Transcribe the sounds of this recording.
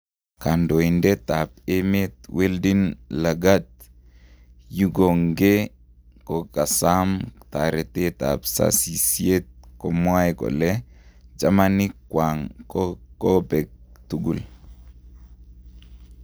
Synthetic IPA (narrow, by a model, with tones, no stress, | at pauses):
ka˨ndɔ˨i˨nde˦ta˨p̚eme˦t̪̚we˦ldi˦nla˨ɡa˦t̪̚ | ju˦ɡo˨ŋɡe˦ | kɔ˨ka˨sa˦mta˨ɾɛ˨te˦ta̰˨psa̰˦si˨sje˦t̪̚kɔ˨mwa˦ɛkɔ̰˨lɛ˦d͡ʒa˦ma˦nɪ˦kwa˨ŋkkɔ˦bɛ˨k̚tu˦ɡṵ˨l